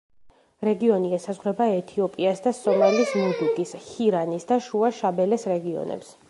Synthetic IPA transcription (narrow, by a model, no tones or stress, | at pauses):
ɾɛɡiɔniɛsazʁwɾɛbaɛt̪ʰiɔpʼiasd̪asɔmalismud̪uɡʼishiɾanisd̪aʃuaʃabɛlɛsɾɛɡiɔ̰nɛ̰ps